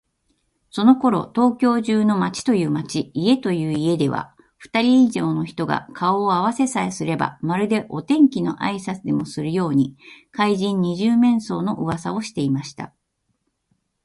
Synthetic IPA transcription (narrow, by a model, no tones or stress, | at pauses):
so̞no̞ko̞ɾo̞̰t̪o̞ːkʲo̞ːʑɨːno̞mat͡ɕi̥t̪o̞jɯ̟ːmat͡ɕiie̞t̪o̞jɯ̟ːie̞d̪e̞β̞a̰ | ɸɯ̥t̪aɾʲiːʑo̞ːno̞çi̥t̪o̞ɡa̰kʰao̞ːaβ̞ase̞saesɨɾe̞ba̰maɾɯ̟d̪e̞ʔo̞t̪ẽ̞ŋkʲino̞̰ʔa̰isat͡sɨd̪e̞mo̞sɨɾɯ̟jo̞ːɲ̟ikaiʑĩɲ̟ːiʑɨːmẽ̞ɰ̃so̞̰ːno̞ʔɯ̟βasao̞ɕi̥t̪e̞imaɕi̥t̪a̰